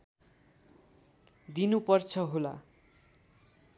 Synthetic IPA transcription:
d̪inupʌrt͡sʰʌɦola̰

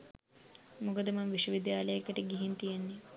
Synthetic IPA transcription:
mokəd̪əmɐŋʋiʃwəʋid̪jaːləjəkəʈəɡiɦint̪ijenːe

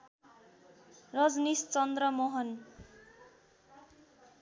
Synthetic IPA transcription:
rʌd͡znist͡sʌnd̪rʌmoɦʌn

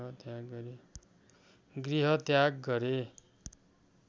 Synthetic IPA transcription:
ɦʌt̪jaɡɡʌɾe | ɡriɦʌt̪jaɡːʌɾe

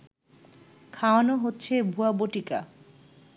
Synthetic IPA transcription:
kʰaoanoɦotːɕʰebʱuaboʈika

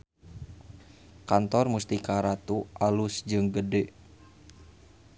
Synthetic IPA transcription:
kant̪ɔrmust̪ikaɾat̪uʔalusd͡ʒɨŋɡədɛ

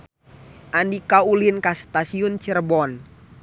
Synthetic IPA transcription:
ʔandikaulinkast̪asiunt͡ʃərbɔn

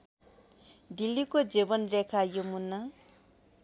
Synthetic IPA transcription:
d̪ilːikod͡zebʌnrekʰajomunːʌ

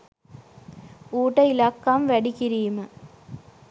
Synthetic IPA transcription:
uːʈːɐɪlaːkːaːmʋɐɽikɪɾijmɐ

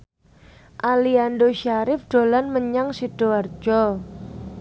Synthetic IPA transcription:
ʔaliandoʃaɾɪfɖ̥o̤lanməɲaŋsid̥oard͡ʒɔ

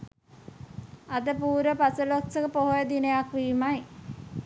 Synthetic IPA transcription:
ad̪əpuːɾəpasəloksəkəpoɦojəd̪inəjakʋiːmaj

